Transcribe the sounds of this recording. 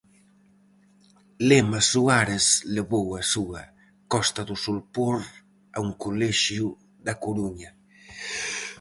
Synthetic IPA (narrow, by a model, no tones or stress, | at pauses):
lemasuaɾesleβowasua̰ | kɔst̪ad̪usulpoɾ | a̰uŋkolɛʃju | d̪akoɾuɲa